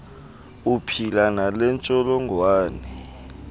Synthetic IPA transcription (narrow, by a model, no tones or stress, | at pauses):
upʰilanalɛnt͡ʃʼɔlɔŋwaːnɛ